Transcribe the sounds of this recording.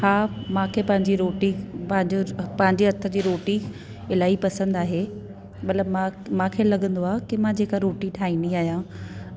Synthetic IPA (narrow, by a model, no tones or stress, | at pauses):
haːmãːkʰepɐ̃ɦɪ̃ɲd͡ʑiɾoːʈipɐ̃ɦɪ̃ɲd͡ʑopɐ̃ɦɪ̃ɲd͡ʑeɐɾt̪ʰə̆d͡ʑiːɾoːʈi | ɪlaːipɐsə̃nd̪aːɦe | mɐt̪ləbmãmãːkʰelɐɠə̃nd̪oaːkɪmãːd͡ʑeːkaɾoːʈiʈʰaːĩːnd̪iaːɦijã